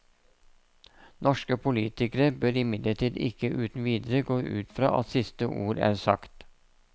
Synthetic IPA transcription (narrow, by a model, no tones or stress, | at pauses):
nʔɔʃkəpʰʊliːt̪ɪkəɾəbœɾɪmɪd̪ləʈʰiːd̪ɪ̰kəʔʉːt̪n̩ʋiːd̪əɾəɡoːʔʉ̰ːt̪fɾɑ̰ːʔɑ̰t̪sɪst̪əʔṵːɾæ̰ːɾsɑ̰kt̪